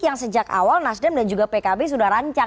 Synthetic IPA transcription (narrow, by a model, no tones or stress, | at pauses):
jaŋsəd͡ʒaka̰walnasdɛmdand͡ʒuɡapekabes̬udahraɲt͡ʃa